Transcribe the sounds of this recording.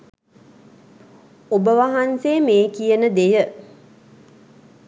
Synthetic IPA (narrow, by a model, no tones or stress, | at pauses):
obəʋaɦanseːmeːkijənəd̪ejə